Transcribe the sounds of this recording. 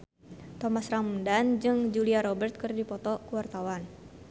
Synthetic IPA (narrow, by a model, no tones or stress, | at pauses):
t̪ɔmasramundand͡ʒɨŋd͡ʒuliaɾɔbɛrt̪̚kɨrdipɔt̪ɔkuwart̪awan